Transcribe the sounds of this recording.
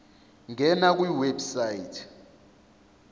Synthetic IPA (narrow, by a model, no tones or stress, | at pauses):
ŋʱɛnak̬ʼwiwebsajitʰ